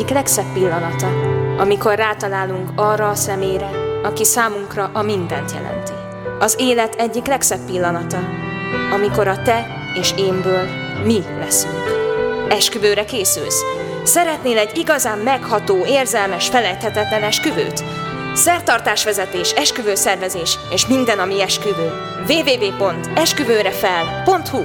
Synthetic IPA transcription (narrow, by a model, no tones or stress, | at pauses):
iklɛksɛpːilːɒnɒt̪ɒɒmiko̞rːaːt̪ɒlaːluŋkɒːrːɒːsɛmeːɾɛɒkisaːmuŋkrɒʔɒmind̪ɛnt̪jɛ̰lɛ̰nt̪i̥ | ɒzeːlɛt̪ʰɛɟːiklɛksɛpːilːɒnɒt̪ɒ | ɒmiko̞ɾɒt̪ɛ | eːʃeːmbøːl | milɛsyŋkɛʃkyvøːɾɛkeːsy̰ls | sɛɾɛt̪neːlɛɟːiɡɒzaːmːɛkhɒt̪oːeːrzɛlmɛʃfɛlɛjt̪hɛt̪ɛt̪lɛnɛʃkyvø̰ːt̪ | sɛrt̪ɒrt̪aːʃʋɛzɛt̪eːʃɛʃkyvøːsɛrvɛzeːʃeːʃmind̪ɛnɒmiɛʃkyvøː | veːveːveːpo̞nt̪ɛʃkyvøːɾɛfɛlpo̞nt̪hu